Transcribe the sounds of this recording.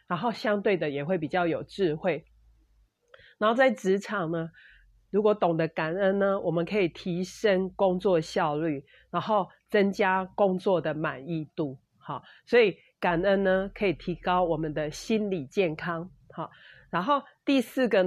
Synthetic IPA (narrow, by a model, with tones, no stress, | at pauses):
ɻa˧˥nɦo˥˩ʊɕjɑ˥ŋt̪we˥˩ɪd̪ə˨jɛ˨˩xwe˥˩ɪp̬i˨˩t͡ɕjɑ˥˩ʊjo˨˩ʊʈ͡ʂɻ̩˥˧xwe˥˩ɪ | na˨˩˦nxo˥˧ʊt͡sa˥˩ɪʈ͡ʂɻ̩˧˦ʈ͡ʂʰɑ˨˩ŋnə˦ | ɻu˧˥kwɔ˧˩˦t̪ɔ˨˩ŋd̪ə˦ka˨˩nə˦nːə˨wʔɔ˨˩mə˨nkʰə˧˥i˨˩t̪ʰi˧˥ʂə˦ŋkʊ˦˥ŋt͡swɔ˥˧ɕjɑ˥˧ʊly˥˩ | ɻa˧˥nxo˥˩ʊ | t͡sə˦ŋt͡ɕja˦kʊ˦ŋt͡swɔ˥˨d̪ə˩ma˨˩ni˥˧t̪u˥˩ | hɔ˥˩ | swɔ˧˦˥i˨˩ | ka˨˩nə˦nːə˧kʰə˧˥i˨˩t̪ʰi˧˥kɑ˦ʊwɔ˨˩mə˨nd̪ə˨ɕi˦˥nli˨˩t͡ɕjɛ˥˨nkʰɑ˦ŋ | hɔ˨˩ɻa˧˥nxo˥˧ʊt̪i˥˧s̩˥˩ɡə˨